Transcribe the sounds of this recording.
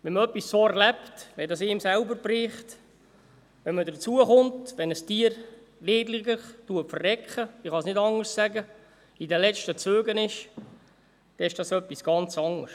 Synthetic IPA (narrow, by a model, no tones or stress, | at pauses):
ʋɛnməœpːisːoɛɾlɛptʋɛdɑsɪːmsælbəɾpɾiːχt | ʋɛnmədət͡suəχʊntʋɛnəstiːəɾ | leːdlɪɡəχtuəpfərːɛkχəɪχɑsnɪdɑŋərssæɡə | idəlɛt͡ʃtət͡søːɡənɪʃ | d̥ɛɪʃd̥ɑsœpːisɡ̥ɑnt͡sɑŋərs